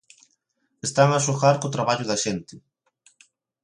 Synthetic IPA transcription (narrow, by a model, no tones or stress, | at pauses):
est̪aŋasoxaɾkot̪ɾaβaʎʊðɐʃent̪ɪ